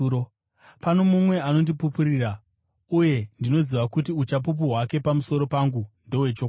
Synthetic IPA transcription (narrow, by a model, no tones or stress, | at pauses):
o | pano̞mumwe̞ano̞ndipupuɾira | uje̞ndino̞ziʋakutiut͡ʃap̬up̬uɦwake̞pamuso̞ɾo̞paŋɡundowet͡ʃokː